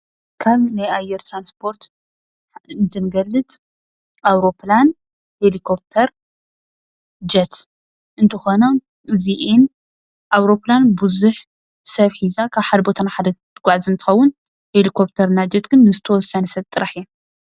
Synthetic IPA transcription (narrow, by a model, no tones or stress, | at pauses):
kʰaβnajajɛɾt̪ʰɾanspʰo̞ɾt̪ | nt̪ʰɨnɡɐlːɨt̪ʼ | ʔawɾo̞plan | helikʰo̞p̚t̪ʰɐɾ | d͡ʒɐt̪ | ʔɨnt̪ʰɨxono | ɨziʔen | ʔawɾo̞planbuzuħ | sɐβħizakʰaβħad̪ɐbo̞t̪ʰɐnaħad̪ɐt̪ɨɡʷaʕzɨnt̪ʰɨ̥xɐwːʊn | helikʰo̞p̚t̪ʰɐɾɨnːad͡ʒɐt̪ɡɨnːɨzɨt̪ʰɐwɔsːɐnɐsɐβt̪ʼːɨɾaħɛ